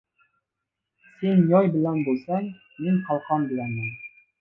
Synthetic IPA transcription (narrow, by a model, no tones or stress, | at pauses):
senjɑjbɪlɛnbolˠsɛŋ | meŋqʰɑlˠqʰɑnbɪlɛnmɪn